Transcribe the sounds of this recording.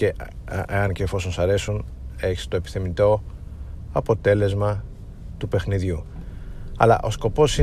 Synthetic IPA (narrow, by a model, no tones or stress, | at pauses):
eʔeɐnceːfo̞so̞nsɐɾe̞sun | e̞çi̥st̪oepi̥θemit̪o̞ | ɐpo̞t̪e̞le̞zmɐ | t̪upe̞xniðʝu | ɐ̰lɐ̰ʔo̞sko̞po̞si